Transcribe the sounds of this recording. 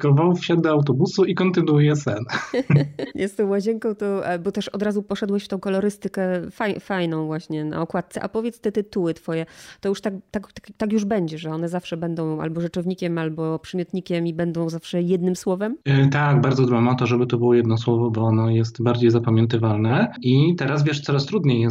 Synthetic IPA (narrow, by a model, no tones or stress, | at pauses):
kɔvawfɕad̪̚d̪ɔawt̪̬ɔbusuikɔnt̪ɘnujɛsɛn | jɛst̪ɔ̃w̃mwaʑɛŋkɔ̃w̃t̪ɔbɔt̪ɛʂɔd̪ɾazupɔʂɛd̪wɛɕft̪ɔ̃w̃kɔlɔɾɘst̪ɘkɛfajfajnɔ̃w̃vwaɕɲɛna̰ɔkwat̪̚t̪sɛʔa̰pɔvjɛt̪st̪ɛt̪ɨt̪uwɘt̪fɔjɛt̪ɔjuʂt̪akt̪ak̪kt̪akjuʐbɛɲd͡ʑɛʐɛɔnɛzafʂɛbɛnd̪ɔ̃w̃a̰lbɔʐɨt͡ʂɔvɲikʲɛmalbɔpʂɛmʲjɔt̪ɲikʲɛmibɛnd̪ɔ̃w̃zafʂɛjɛd̪nɘmswɔvɛmt̪aɡbaɾd̪zɔd̪bamɔt̪ɔʐɛbɘt̪ɔbɘwɔjɛd̪nɔswɔvɔbɔɔnɔjɛst̪baɾd͡ʑejzapamʲjɛnt̪ɘvalnɛit̪ɛɾazvʲjɛʂt̪sɔɾast̪ɾud̪ɲejɛ